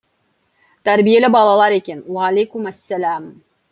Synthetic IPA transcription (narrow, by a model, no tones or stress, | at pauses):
t̪æɾbijelʲɘbɑlˠɑlˠɑɾekʲenwælʲekumæsːælæm